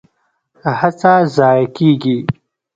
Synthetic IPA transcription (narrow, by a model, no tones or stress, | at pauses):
t̪ahat͡sazɑːjakiɡi